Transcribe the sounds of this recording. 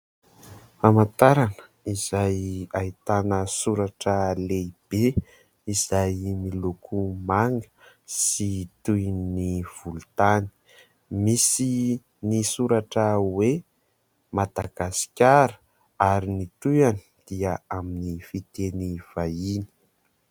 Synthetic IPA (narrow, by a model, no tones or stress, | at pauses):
famant̪aɾanə̥ | iz̥ajait̪anəsuɾaʈ͡ʂəleib̥e | iz̥ajmilukʰumaŋɡə̥ | sit̪ujnniv̥ulut̪ani̥ | misi | nisuɾaʈ͡ʂəwe | mad̪̥aɡ̥asi̥kʲaɾə | aɾinit̪ujani̥d̪̥iəaminifit̪eniv̥aini̥